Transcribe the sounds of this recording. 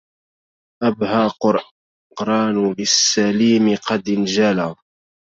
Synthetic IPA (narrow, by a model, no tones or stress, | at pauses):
ʔabhaqʊɾ | qɾˤɑːnbɪsːaliːmɪqɑd̪ɪnd͡ʒala